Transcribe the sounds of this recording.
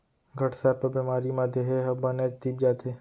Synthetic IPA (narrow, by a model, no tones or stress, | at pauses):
ɡʱəʈsaɾpəɾbemaːɾimaːd̪ʱjeɦeɦɐbəned͡ʒt̪iːp̚d͡ʒaːt̪e